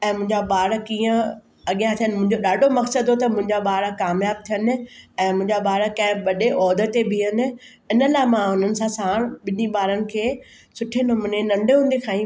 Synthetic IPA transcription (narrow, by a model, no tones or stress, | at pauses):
ɛ̃ːmʊ̃ɦɪ̃ɲd͡ʑaɓaːɾkĩːə̃ | ɐɠijãt̪ʰijənɪmʊ̃ɦɪ̃ɲd͡ʑoɗaːɖʱomɐksəd̪ot̪ɐmʊ̃ɦɪ̃ɲd͡ʑaɓaːɽəkaːmjaːb̚t̪ʰijən̆ɛ̃ːmʊ̃ɦɪ̃ɲd͡ʑaɓaːɾəkɐ̃ɦɪ̃ɓɐɗeʔɔːd̪ət̪ːebʱiən̆ | ɪnəlaːɪmãɦʊnənɪ̆sãsãːɽ̃ɓɪniɓaːɾənɪ̆kʰeː | sʊʈʰenʊmʊnenɐ̃ɳɖʱeɦũːnd̪ekʰãːĩ